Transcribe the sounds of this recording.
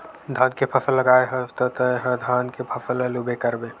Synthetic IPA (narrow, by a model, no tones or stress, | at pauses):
d̪ʱãːnkepʰɐfʰəlːəɡaːeɦəst̪ət̪əeɦəd̪ʱaːnkepʰəfʰələlubekəɾbẽ